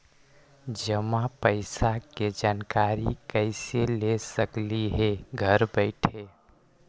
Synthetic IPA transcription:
d͡ʒəmãpəɪsaked͡ʒaːnkaɾikəɪselesəkliɦeɡʱəɾbəɪʈʰe

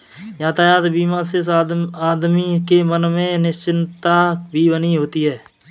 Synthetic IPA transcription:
jaːt̪aːjaːt̪biːmãsɪsaːd̪mikemənmẽnɪʃt͡ʃɪnt̪abʱibəniɦoːt̪iɦɛː

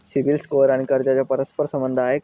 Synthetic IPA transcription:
siʋilskoɾaɽ̃ikəɾd͡ʑat͡ɕjapəɾəspəɾsəmbənd̪ʱaɦe

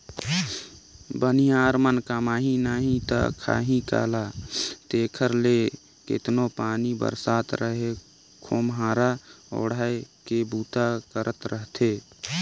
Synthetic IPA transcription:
bənijaːɾmənkamaːɦinaɦĩt̪a̰kʰa̰ːɦĩka̰ːlat̪eːkʰəɾle | kɪ̰t̪nopaːnibə̰ɾsaːt̪ɾəɦe | kʰoːmɦaːɾao̰ːɽ̤aːekebuːt̪akəɾʔət̪ɾəɦt̪ʰeː

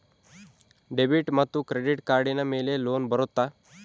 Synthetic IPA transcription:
ɖebiʈmat̪ːukɾeɖiʈkaɾɖinamelelonbəɾot̪ːa

